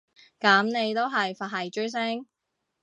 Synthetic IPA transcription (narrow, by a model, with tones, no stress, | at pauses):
kɐ˨˥mne˨˧jt̪o˥wɦɐ˨jfaː˨˩hɐ˨jt͡ʃɵ˥ɥs̬ɛ˥ŋ